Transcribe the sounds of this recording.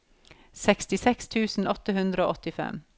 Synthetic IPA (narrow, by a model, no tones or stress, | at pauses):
sɛkst̪ɪsɛkst̪ʰʉːsn̩ɔt̪əhʉnd̪ɾəo̰ːɔt̪ɪfɛ̰m